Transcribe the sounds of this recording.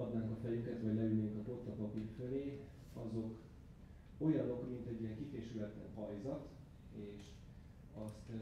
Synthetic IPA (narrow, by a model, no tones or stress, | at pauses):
ɒd̪naːŋkɒfɛjyŋkɛt̪vɒɟlɛylneːŋkɒt̪ot̪ːɒpɒpirføleː | ɒzo̞k | o̞jɒno̞kmint̪ɛɟːijɛŋkifeːʃylɛt̪ːɛɦɒjzɒt̪ | eːʃ | ɒst̪